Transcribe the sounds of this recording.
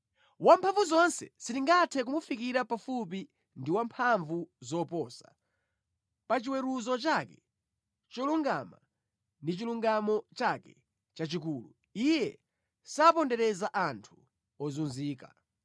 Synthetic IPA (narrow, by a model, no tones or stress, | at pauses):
wampʰaɱvuzɔnsɛ̰siɾiŋɡatʰɛk̬umufikiɾapafup̬i | ndiwampʰaɱvuzɔpɔsa | pat͡ʃiwɛɾuzɔt͡ʃakɛ | t͡ʃɔluŋɡama̰ | ndit͡ʃiluŋɡamɔt͡ʃakɛ̥ | t͡ʃat͡ʃikuːlu | ijɛ | saːpɔndɛɾɛzaʔantʰu̥ | ɔzunziːka̰